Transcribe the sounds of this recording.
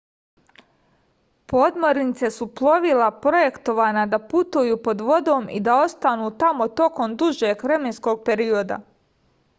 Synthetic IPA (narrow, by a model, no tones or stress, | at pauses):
pod̪mo̞ɾnit̪se̞suplˠo̞ʋilapɾo̞je̞kt̪o̞ʋaːnad̪aput̪ujuːpo̞d̪ʋo̞d̪o̞ːmḭd̪ao̞st̪anuːt̪amo̞t̪o̞ko̞md̪uʒeːɡʋɾe̞me̞nsko̞ɡ̚pe̞ɾio̞d̪a̰